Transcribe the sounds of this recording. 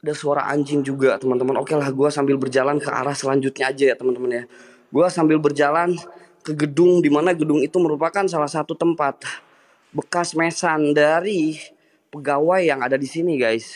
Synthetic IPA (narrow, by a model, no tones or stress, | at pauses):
adasuaɾa̰ŋʔa̰ɲd͡ʒɪŋd͡ʒuɡat̪əmant̪əmənokelahɡuasambɪlbərd͡ʒalankəʔa̰ɾahsəlaɲd͡ʒʊt̪̚ɲaːd͡ʒajat̪əmənt̪əmənɲa | ɡuasambɪlbərd͡ʒalan | kəɡədʊŋdimanaɡədʊŋit̪uməɾupakansalahsat̪ut̪əmpat̪̚ | bəkasmesandaɾi | pəɡawajːaŋadadisiniɡajs